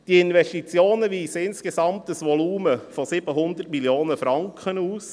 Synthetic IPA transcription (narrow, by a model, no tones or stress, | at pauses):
d̥iɪnvɛʃtit͡sjoːnəʋiːsəɪnskesɑmtəsʋɔluːməfɔsɪb̥əɦʊnd̪ərtmiljoːnəfɾɑŋkχənuːs